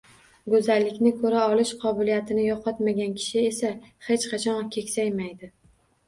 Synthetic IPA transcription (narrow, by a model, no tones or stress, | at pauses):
ɡɵzalːɪkʲnɪkʰɵɾaɒlˠɪʃqʰɒbɪlijat̪ʰɪnɪjɒqʰɒt̪maɡʲankʲʰɪ̥ʃɪesahet͡ʃqʰɑt͡ʃʰɒnkʲʰe̞kʲsajmajd̪ɪ